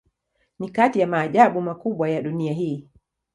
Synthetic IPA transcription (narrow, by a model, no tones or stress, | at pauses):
nikatijamaːʄaɓumakuɓwajaɗuniaɦiː